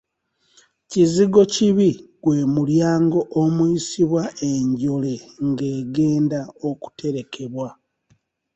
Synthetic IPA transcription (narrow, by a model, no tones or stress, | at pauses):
ciziɡo̞ciβiɡ̥we̞ːmuljaːŋɡo̞ʔomuisiβwaʔe̞ɲɟo̞le̞ŋɡe̞ːɡe̞ːndaoku̥tʰe̞ɾe̞kʰe̞βwa